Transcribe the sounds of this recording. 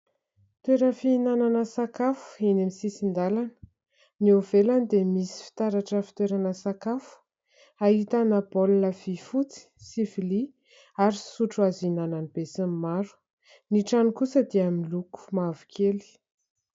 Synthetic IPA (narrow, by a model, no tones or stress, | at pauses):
t̪weɾəfiinananəsakafu̥inemisisind̪alanə̥ | niovelanid̪emisi̥fi̥t̪aɾaʈ͡ʂəfi̥t̪weɾanəsakafu̥ | aɦit̪anəbolnəv̥ifut͡si̥sifili | aɾisuʈ͡ʂuazinananib̥esammaɾu̥ | niʈ͡ʂanikusəd̪iamiluku̥mavu̥kʰeli̥